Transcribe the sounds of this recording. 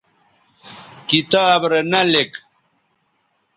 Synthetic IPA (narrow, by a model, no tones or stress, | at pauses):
kit̪aːbɾenɐlek